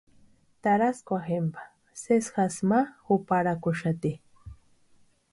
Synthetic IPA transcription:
t̪aɾaskʷwaxempḁ | sesxasmaxʊpaɾakʊʃat̪i

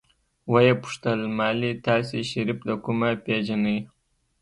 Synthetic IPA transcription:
wajepu̥ʂt̪əlmɑlit̪ɑseʃaɾipd̪əkumaped͡ʒanəj

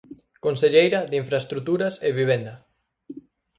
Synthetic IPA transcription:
konseʎejɾɐðiɱfɾaest̪ɾut̪uɾɐseβiβ̞ɛnd̪ɐ

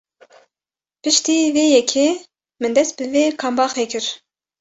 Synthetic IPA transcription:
pɨʃt̪iːveːjɛkʰeː | mɨnd̪ɛst̪̚bɨveːkʰɑːmbɑːxeːkɨɾ

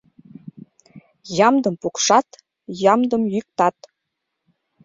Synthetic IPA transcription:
jɑmd̪əmpukʃɑt̪ | jɑmd̪əmjyk̚t̪ɑt̪

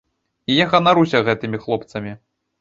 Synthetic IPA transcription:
ijaɣɐnaɾusʲɐɣɛt̪ɨmʲixlˠɔpt̪sɐmʲi

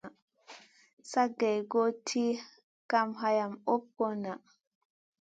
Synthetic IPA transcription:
saɡːɛjɡotʰi | kamɦajamop̚kɔna

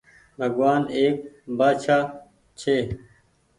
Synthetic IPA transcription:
bʱɐɡwaːneːk̚baːt͡ɕʰaː | t͡ɕʰeː

